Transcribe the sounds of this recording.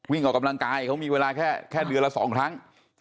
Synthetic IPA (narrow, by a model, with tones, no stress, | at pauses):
wi˥˩ŋʔɔː˨˩ka˧mla˧ŋkaː˧jkʰa˦˥wmiː˧weː˧laː˧kʰɛː˥˩kʰɛː˥˩dɯ˧ənla˧˥sɔ̰ː˩˦ŋt̪ʰa˦˥ŋ